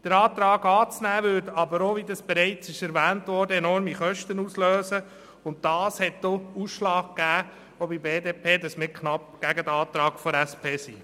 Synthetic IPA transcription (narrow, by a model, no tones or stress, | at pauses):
d̥əɾɑːt̪ɾɑːɡɑːt͡snæːʋʏdɑbəɾoːʋidɑsb̥ɛɾɛɪt͡sɪʃɛɾʋæːntʋɔɾdəɛnɔɾmiχœʃtənusløːsə | ʊnt̚d̥ɑːshɛt̚d̥ousʃlɑːɡ̚ɡ̥æː | obibeːdeːpʰeːdɑsmɪkχnɑp̚ɡ̥æɡədɑːt̪ɾɑːɡ̥fɔɾæspʰeːsḭː